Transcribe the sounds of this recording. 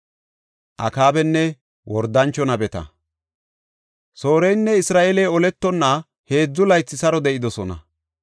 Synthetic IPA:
ʔɐ̰kaːbɛnːɛ | wɔɾd̪ɐnt͡ʃːɔnɐbɛt̪ɐ̰ | so̞ːɾɛjnːɛɪsɾaːʔelɛjɔlɛt̪ːɔnːɐ | he̞ːd͡zːʊlɐjt͡sːɪsɐɾɔd̪ɛʔɪd̪ɔsɔnɐ

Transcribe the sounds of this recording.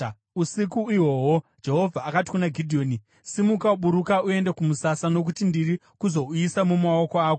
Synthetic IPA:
usikuiwo̞ːwod͡ʒe̞ɦo̞vʱaːkati̥kunaɡʱidʱio̞ːni | simukauɓuɾukaue̞nde̞kumusasano̞k̬utindiri | kuzo̞uisamumao̞ko̞aːko

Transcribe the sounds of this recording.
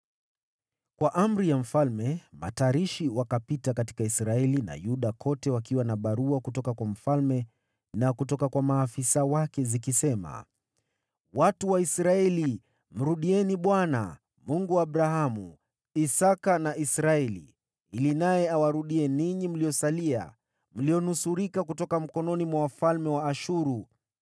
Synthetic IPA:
kwaʔam̩ɾijam̩falmɛma̰taɾiʃiwakapitakati̥kaisɾaɛlina̰juɗakʰɔtɛwakiwanaɓaɾuakutɔkakwam̩falmɛ | nakutɔkakwamaːfisawakɛzikisɛma̰ | watuwaisɾaɛli | m̩ɾuɗiɛniɓwana̰ | muŋɡuwaːɓɾaɦamu | isakanaʔisɾaɛlḭ | ilinajɛawaɾuɗiɛniɲim̩lijɔsalia̰ | m̩lijɔnusuɾikakutɔkam̩kɔnɔnimwawafalmɛwaːʃuɾu

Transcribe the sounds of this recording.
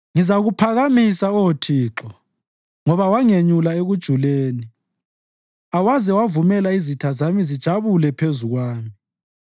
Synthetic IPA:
ŋizaɣupʰaɣamisaotʰiːǁɔ | ŋɔβawaŋeɲulaeɣud̥ʒ̥ʱuleːni | awazɛwavumɛlaizitʰazamizid̥ʒ̥ʱaβulɛpʰezuɣwaːmi

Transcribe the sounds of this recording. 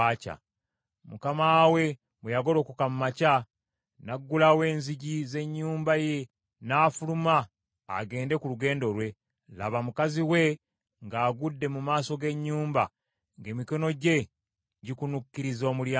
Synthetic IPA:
aːca̰ | mukamaːwe̞ | mwejaɡo̞lo̞ːkukamumaca | naɡːulawe̞ːnziɟize̞ɲːuːmbaje̞ | naːfuluma̰ː | ɡe̞ːnde̞kuluɡe̞ːndo̞lwe̞ | la̰βamukaziwe̞ | ŋɡaːɡudːe̞mumaːso̞ɡe̞ɲːuːmba | ŋɡe̞ːmiko̞no̞ɟe̞ | ɟikunukːiɾizo̞ːmulja

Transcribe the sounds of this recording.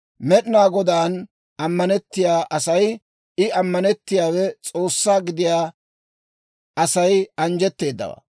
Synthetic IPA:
mɛɗɪnaːɡɔd̪aːn | ɐmːɐnɛt̪ːɪjaːʔɐsɐj | ɪɐmːɐnɛt̪ːɪjaːwɛt͡sʼo̞ːsːaːɡɪd̪ɪjaː | ɐsɐjɐnd͡ʒɛt̪ːe̞ːd̪ːɐ̰wa̰

